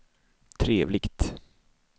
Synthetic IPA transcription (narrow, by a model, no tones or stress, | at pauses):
t̪ʰɾeːvlɪɡt̪